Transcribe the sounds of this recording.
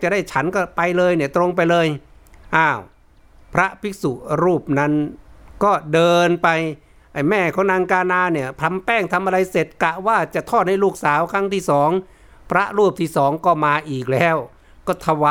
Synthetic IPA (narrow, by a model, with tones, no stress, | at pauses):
t͡ɕa˨˩da˥˩jt͡ɕʰa˦˥nkɔː˥˩pa˧jlɤː˧jni˥˩ɐt̪ɾo˧ŋp̬a˧jlɤː˧jʔaː˧˩w | pʰɾa˦˥pʰi˦˥su˨˩ɾuː˥˩p̚na˦˥nkɔː˥˩dɤː˧npa˧j | ʔa˧˩jmɛː˥˩kʰɔː˩˦ŋnaː˧ŋkaː˧naː˧ni˧˩ɐp̪ʰa˧mpɛː˥˩ŋt̪ʰa˧mʔa˧ɾa˧jse˨˩t̪̚ka˧waː˥˩t͡ɕa˨˩ʔt̪ʰɔː˥˩t̪̚na˥˩jluː˥˩k̚saː˩˦wkʰa˦˥˩ŋt̪ʰiː˥˩sɔː˩˦ŋ | pʰɾa˦˥ʔɾuː˥˩p̚t̪ʰiː˥˩sɔː˩˦ŋkɔː˥˩maː˧ʔiː˨˩k̚lɛː˦˥˩w | kɔː˥˩t̪ʰa˧wa˧